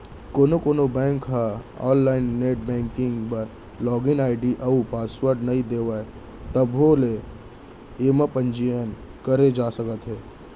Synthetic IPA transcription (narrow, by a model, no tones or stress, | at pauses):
koːnokoːnobɛ̃ːŋkɦaɔ̰ːnlaːɪnːeːʈ̚bɛ̃ːŋkɪ̃ŋɡpɐɾ | lɔːɡɪnaːɪɖiʔɐupaːswəɾɖnɐɦĩd̪eːʋaːe | t̪əbɦole | eːmapə̃nd͡ʒijən | kəɾed͡ʒaːsəkət̪ɦɛː